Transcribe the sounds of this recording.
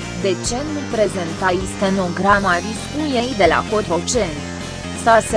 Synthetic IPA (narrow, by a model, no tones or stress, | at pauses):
d̪et͡ʃenupɾezent̪ajist̪enoɡɾamaɾiskujejd̪ela̰kot̪ot͡ʃent̪ | sase